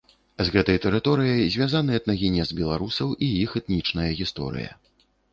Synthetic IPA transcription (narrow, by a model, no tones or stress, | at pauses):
zɣɛt̪ɐjt̪ɛɾɨt̪ɔɾɨjɐjzʲvʲazanɨɐt̪nɐɣʲinʲɛzbʲɛlˠaɾusɐwʔijixɛt̪nʲit͡ʂnɐjɐɣʲist̪ɔ̰ɾɨ̰jɐ̰